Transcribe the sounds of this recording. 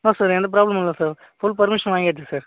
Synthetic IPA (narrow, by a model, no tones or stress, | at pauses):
naːsaːɾɛnd̪ɐp̬ɾaːblɐmɪlːɐsaːɾ | fʊlpɐɾmɪʂɐnʋaːŋɡɪeːʈt͡ʃːɯsaːɾ